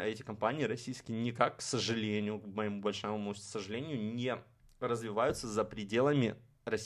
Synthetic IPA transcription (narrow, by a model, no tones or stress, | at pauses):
ɛtʲɪkɐmpanʲɪɪɾɐsʲijskʲɪjənʲɪkakːsəʐɨlʲenʲɪjʊkməɪmubɐlʲʂamʊmusəʐɨlʲenʲɪjʊnʲe | rəzvʲɪvajʊt̪səzəpɾʲɪdʲe̞lˠəmʲɪ̰ | rɐsʲ